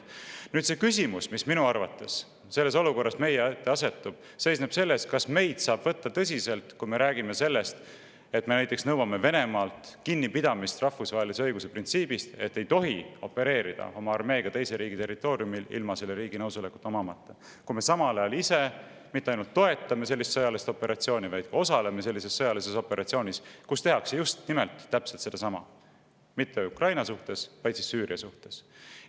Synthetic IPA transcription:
nyːd̪t̪se̞kysʲimusmisminuɑrvɑt̪ːˑe̞s | se̞lːe̞s̬oluko̞rːɑsme̞jeet̪ːe̞ɑse̞t̪ːˑub̥ | se̞jsneb̥se̞lːe̞skɑsme̞jd̪̥sɑːb̥vɤt̪ːɑt̪ɤs̬ʲise̞lt̪kujme̞ɾæːɡ̥ime̞se̞lːe̞st̪ | et̪me̞næjt̪ːˑeksnɤwɑme̞ve̞ne̞mɑːlt̪kinʲːipid̪ɑmist̪rɑhfusvɑːɦelis̬e̞ɤjɡuse̞print̪siːbist̪e̞t̪ːe̞jt̪o̞ɦio̞pːe̞ɾe̞ːɾid̪̥ɑ̰o̞mɑɑrme̞ːɡ̥ɑt̪e̞jseɾiːɡ̥it̪e̞rːit̪ːˑo̞ːɾiumilḭlmɑselːeɾiːɡinɤwsuleku̥t̪ːˑo̞mɑmɑt̪ːe | kujme̞sɑmɑlɑjɑlise̞ | mit̪ːɑjnult̪ːo̞e̞t̪ːˑɑme̞s̬e̞lːist̪sɤjɑlist̪o̞pːe̞ɾʔɑt̪sio̞ːnʲivɑjd̪̥kɑosɑle̞me̞s̬e̞lːise̞sːɤjɑlise̞so̞pːeɾɑt̪sio̞ːnʲiskust̪e̞ɦɑksejust̪nime̞lt̪ːæpse̞lt̪se̞d̪̥ɑs̬ɑmɑ̰ | mit̪ːeukrɑjnɑsuht̪e̞svɑjd̪sisːyːɾiɑsuht̪e̞s

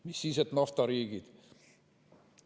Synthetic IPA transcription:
misːiset̪nɑft̪ɑɾiːɡid̪̥

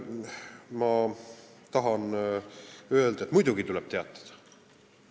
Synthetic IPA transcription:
mɑ | t̪ɑɦɑn | ø̞ld̪ɑet̪ːmujd̪uɡ̥it̪ulɛb̥t̪eɑ̰t̪ːˑɑ̥d̪̥ɑ̥

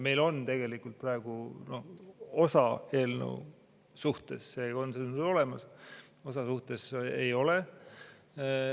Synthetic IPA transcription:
me̞jlo̞nt̪e̞ɡe̞likːˑult̪̚prɑeɡ̥uno̞ho̞sɑe̞ːlnḛw | suht̪e̞sseo̞nsennyo̞le̞mɑs | o̞sɑsuht̪e̞sejo̞le̞

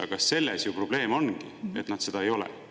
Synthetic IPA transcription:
ɑ̰kɑsːe̞lːesjupro̞b̥le̞ːmo̞nɡie̞t̪ːˑnɑt̪se̞d̪ɑe̞jo̞lḛ

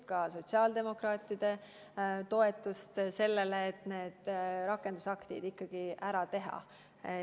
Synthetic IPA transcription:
kɑso̞t̪ʲsiɑːld̪e̞mo̞krɑːt̪ːˑid̪̥e̞ | t̪o̞e̞t̪ːˑust̪se̞lːe̞leːt̪ːˑne̞ːd̪̥ɾɑkːˑe̞nd̪̥usɑkt̪ḭd̪ikˑːɑɡ̥iʔæɾɑt̪e̞ɦɑ̰

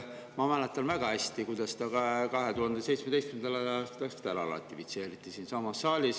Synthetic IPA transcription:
mɑmælet̪ːˑɑnvæɡ̥ɑæsʲt̪ikujd̪̥ɑst̪ɑkɑkɑɦe̞t̪uhɑnd̪̥ese̞jt̪smed̪ejst̪kmend̪ɑlɑɑst̪ɑkst̪æɾɑ̰lɑ̰t̪ːˑifit̪se̞ːɾit̪ːˑisiːnsɑmɑsːɑːlʲis

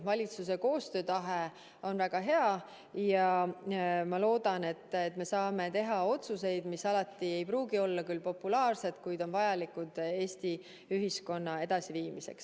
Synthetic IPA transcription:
vɑlʲit̪suse̞ko̞ːst̪ø̞ːt̪ɑɦe | o̞nvæɡ̥ɑɦe̞ɑ | jɑ | mɑlo̞ːd̪̥ɑne̞t̪ːˑet̪ːme̞sɑːme̞t̪e̞ɦɑo̞t̪suse̞jd̪̥misɑlɑt̪ːˑie̞jpɾuːɡio̞lːɑkylːpo̞pːulɑːrse̞t̪kujd̪̥o̞nvɑjɑlikud̪̥e̞ːst̪i | yɦisko̞nːɑe̞d̪̥ɑsiviːmise̞̰ks

